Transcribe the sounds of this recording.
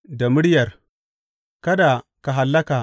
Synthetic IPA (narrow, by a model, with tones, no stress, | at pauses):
da˨mɨ˦ɽjɐ˨r | ka˦da˨ka˨ɦa˨lːa˦ka˨